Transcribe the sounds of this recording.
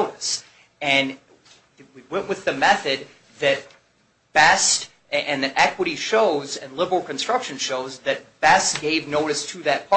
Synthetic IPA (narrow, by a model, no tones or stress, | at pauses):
ʊɾɨs | ɨ̃n | wiwɛ̃nʔwʔɨðɨmɛθɨd̪̚ | ðɨt̚ | b̥ɛst | ɨ̃nðɨɾʔɛkwəɾiʃoʊzɨ̃nlɪbə˞l̩ˠkɨ̃n̩stɹ̥ʌkʃɨ̃nʃoʊzðɨt̚b̥ɛsɡ̥eɪvnoʊɾɨstʰɨðɨt̚pʰɑ